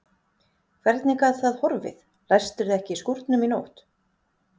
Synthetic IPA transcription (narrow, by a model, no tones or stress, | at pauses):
kʰvɛɾt̪nɪkaðθaðhɔɾvɪ̰ð | lajst̪ʏɾðɪɛhcɪiskuɾt̪nʏminoːwht̪